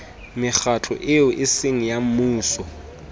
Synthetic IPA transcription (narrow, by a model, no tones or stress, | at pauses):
mɪk͡xat͡ɬʰɔ̰ʔɪʊʔɪsɪŋ̩jam̩muːsɔ